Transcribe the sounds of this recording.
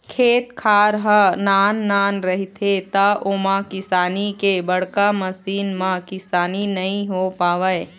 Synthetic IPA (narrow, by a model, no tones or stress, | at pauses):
kʰeːt̪kʰaːɾɦənaːnːaːnɾɐɦit̪ʰet̪aʔomãkɪsaːnikebɐɽkamɐsiːnmãkɪsaːninɐɦĩɦopaːʋəe